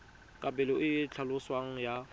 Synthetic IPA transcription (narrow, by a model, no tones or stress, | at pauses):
kʼabʼɛlɪʊɪt͡ɬʰalʊswaŋ̩ja